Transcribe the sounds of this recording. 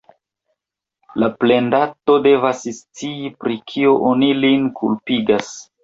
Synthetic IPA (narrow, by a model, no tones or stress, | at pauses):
laple̞ndato̞de̞vasst͡siipɾikʰioʔonilinkʰulpiɡas